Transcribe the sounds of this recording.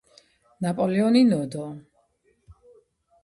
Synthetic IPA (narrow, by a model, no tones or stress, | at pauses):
napʼɔlɛɔninɔd̪ɔ